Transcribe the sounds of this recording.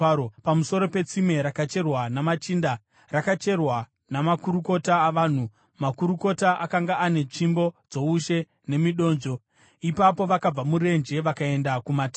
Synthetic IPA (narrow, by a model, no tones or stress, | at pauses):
pamuso̞ɾo̞pe̞t͡sime̞ɾakat͡ʃe̞rwanamat͡ʃinda | rakat͡ʃe̞rwa | namakuɾuko̞taːʋaːn̤u | makuɾuko̞taʔakaŋɡaʔane̞t͡ʂimbo̞d͡zo̞uʃe̞ | ne̞miɗo̞ːnd͡ʒo̞ | ipapo̞ʋakab͡vamuɾe̞nd͡ʒe̞ʋakae̞ndakumata